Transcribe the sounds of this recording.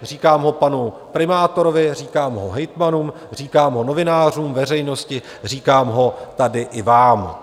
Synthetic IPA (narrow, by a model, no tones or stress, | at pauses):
r̝iːkaːmɦo̞panu | pɾɪmaːt̪o̞ɾovɪriːkaːmɦoɦɛjt̪manuːm | riːkaːmɦo̞no̞vɪnaːr̝uːmvɛr̝ɛjno̞scɪ | r̝iːkaːmɦo̞t̪adɪʔɪvaːm